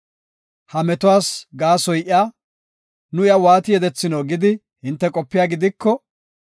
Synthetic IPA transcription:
hɐmɛt̪ʊwaːsɡaːsɔjʔɪaː | nʊɪjɐwaːt̪ɪjɛd̪ɛt͡sːɪnoːɡɪd̪ɪ | hɪnt̪ːɛkʼɔpːɪjaːɡɪd̪ɪkːɔ

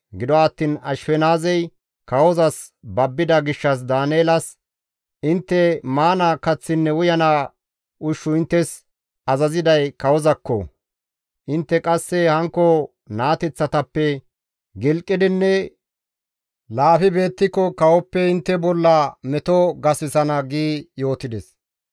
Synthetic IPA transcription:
ɡɪd̪ɔaːt̪ːiːnɐʃfɛnaːzɛj | kɐwɔzɐs | bɐbːɪd̪ɐɡɪʃːɐs̬d̪aːneːlɐs | ʔɪnt̪ːɛmaːnakɐt͡sːɪnːɛʊjɐna | ʔʊʃːʊɪnt̪ːɛs | ɐzɐzɪd̪ɐjkɐwɔzɐkːɔ̰ | ʔɪnt̪ːɛkʼɐsːɛhɐŋkːɔ | naːt̪ɛt͡sːɐt̪ɐpːɛ | ɡɪlkʼːɪd̪ɪnːɛ | laːfɪbe̞ːt̪ːɪkːɔkɐwɔpːɛɪnt̪ːɛbɔlːɐmɛt̪ɔɡɐsɪsɐnɐɡiːjo̞ːt̪ɪd̪ɛs

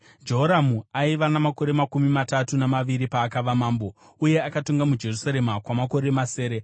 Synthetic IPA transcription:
d͡ʒo̞ɦoɾamuaiʋanamako̞ɾe̞makumimatatunamaʋiɾipaːkaʋamaːmbo̞ | uje̞akatoŋɡamud͡ʒe̞rusaɾe̞makwamako̞ɾe̞mase̞ːɾe̞

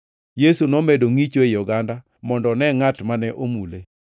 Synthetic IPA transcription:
jesunɔmedoŋit͡ʃoejɔɡanda | mɔndɔnɛŋatmanɛʔomule

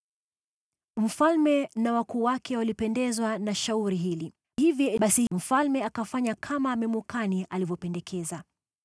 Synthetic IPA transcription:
m̩falmɛnawakuːwakʰɛwalipɛndɛzwanaʃauɾiɦili | hivjɔɓasim̩falmɛakafaɲakʰamamɛmukaniʔalivjɔpɛndɛkʰɛza

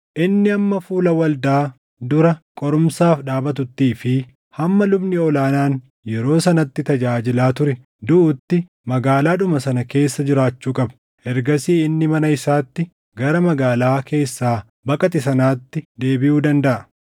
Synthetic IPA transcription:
ʔɪnːɪɐmːɐfuːlɐwɐld̪aː | d̪ʊɾɐkʼɔɾʊmsaːfᶑaːbɐt̪̬ʊt̪ːiːfɪ | hɐmːɐlʊbnɪɔlaːnaːn | jɛɾo̞ːsɐnɐt̪ːɪt̪ɐd͡ʒaːd͡ʒɪlaːt̪ʊɾɛ | d̪ʊʔʊt̪ːɪ | mɐɡaːlaːᶑʊmɐsɐnɐke̞ːsːɐd͡ʒɪɾaːt͡ʃːuːkʼɐbɐ̥ | ɛɾɡɐsiːɪnːɪmɐnɐɪsaːt̪ːɪ | ɡɐɾɐmɐɡaːlaːkʰe̞ːsːaː | bɐkʼɐt̪̬ɪsɐnaːt̪ːɪd̪e̞ːbɪʔuːd̪ɐnd̪ɐʔɐ

